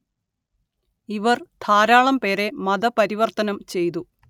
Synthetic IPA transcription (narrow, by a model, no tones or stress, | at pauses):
iʋɐrt̪ʰaːɾaːɭɐmpe̞ːɾe̞mɐd̪ɐpɐɾiʋɐrt̪ɐnɐmt͡ɕe̞jt̪̬u